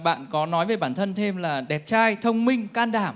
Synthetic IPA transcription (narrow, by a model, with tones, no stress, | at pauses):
ɓa̰ː˧˨nkɔ˨˦nɔ˨˦jve˨˩jɓaː˧˩nt̪ʰə˧nt̪ʰe˧mlaː˨˩ɗɛ˨˩p̚t͡ɕaː˧jt̪ʰə˧wŋ͡mmï˧ŋ̟kaː˧nɗaː˧˩m